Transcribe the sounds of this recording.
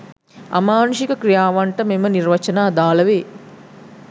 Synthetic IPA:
a̰maːnuʃikəkɾijaːʋaɳʈəmemənirʋɐt͡ʃɐnaːd̪aːlɐʋeː

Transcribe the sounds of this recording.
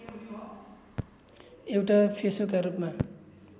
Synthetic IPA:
ewʈapʰesokaɾupma

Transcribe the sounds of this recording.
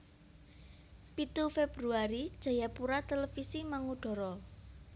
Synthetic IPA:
pit̪ufeb̥ɾuaɾid̥ʒ̥a̤japuɾat̪elefisimaŋuɖ̥ɔ̤ɾɔ

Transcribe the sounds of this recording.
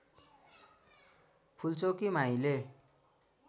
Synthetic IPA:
pʰult͡sokimaĩle

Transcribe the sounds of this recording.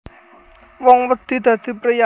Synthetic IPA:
wɔŋwəd̪̥i̤d̪̥ä̤d̪̥i̤pɾeja

